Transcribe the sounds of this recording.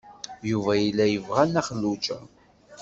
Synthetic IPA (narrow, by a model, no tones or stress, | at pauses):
juvæjilːæjəvʁænæχlːut͡ʃə